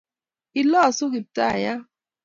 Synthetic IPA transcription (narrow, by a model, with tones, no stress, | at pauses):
i˨lɔ˦˨sʊ˦ɡi˨p̚ta˦˨ja˦